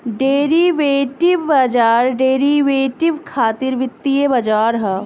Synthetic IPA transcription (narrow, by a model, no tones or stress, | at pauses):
ɖeːɾiʋeːʈɪʋɐd͡ʒaːɾɖeːɾiʋeːʈɪʋkʰaːt̪ɪɾʋɪt̪ːiebɐd͡ʒaːɾɦɛː